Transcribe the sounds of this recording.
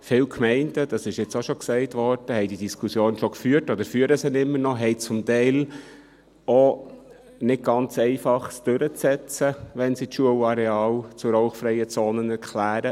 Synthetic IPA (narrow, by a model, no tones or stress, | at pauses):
fɪːlkʰmɛɪndəd̥ɑsɪʃjɛt͡soʃɔksɛɪtʋɔɾd̥əhɛɪdidiskʰusjoːnʃokfyːəɾtɔd̪əɾfyːəɾəsənɪmːəɾnɔɦɛɪt͡sʊmtɛɪl | o | nɪt̚ɡ̥ɑnt͡sɛɪfɑχsd̥øɾət͡sɛt͡səʋɛnsitʃuəlɑɾɛɑːlt͡sʊɾoʊχfɾɛɪət͡soːnənɛɾkʰlæːɾə